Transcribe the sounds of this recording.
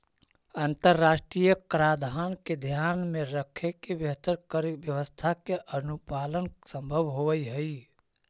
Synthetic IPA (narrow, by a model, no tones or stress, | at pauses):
ənt̪əɾːasʈɾijəkɾad̪ʱanked̪ʱjanmeɾəkʰekebjəɦt̪əɾkəɾebjəʋəst̪ʰakeʔənupalənsə̃mbʱəʋɦoʋəjɦəj